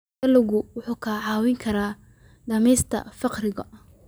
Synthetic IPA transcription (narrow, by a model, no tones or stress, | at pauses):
ɐlʊɣʊwʊħuːkʰɐʕɑːwɪŋkʰɐɾaː | ɖɐmɛjst̪ʰɐ̰fɑqrɪɣɐ